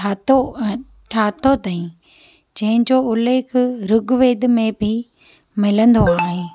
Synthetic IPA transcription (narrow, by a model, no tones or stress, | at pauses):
aːt̪o | ʈʰaːt̪ot̪aːĩ | d͡ʑɐ̃ɦɪ̃ɲd͡ʑoːʊleːkʰɾʊɡʋeːd̪mẽbɪ | mɪlə̃nd̪oaːɦeː